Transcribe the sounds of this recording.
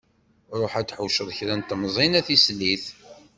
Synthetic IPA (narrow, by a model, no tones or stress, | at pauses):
ɾˤoħæt͡sːħuʃəðˤçɾænt̪mzˤinæθislːiθ